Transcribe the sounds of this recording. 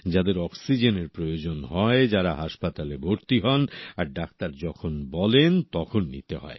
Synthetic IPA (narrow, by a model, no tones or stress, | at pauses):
d͡ʑad̪eɾɔksid͡ʑeneɾpɾojod͡ʑonɦɔed͡ʑaɾaɦaʃpat̪alebʱoɾt̪iɦɔnaɾɖak̚t̪aɾd͡ʑɔkʰonbɔlent̪ɔkʰonːḭt̪ḛɦɔ̰e